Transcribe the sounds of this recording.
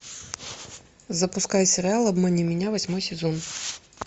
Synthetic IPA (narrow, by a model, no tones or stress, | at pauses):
zɐpʊskajsʲɛɾʲɪalˠɐbmɛnʲimʲɪnʲavɐsʲmɔjsʲɛzɔn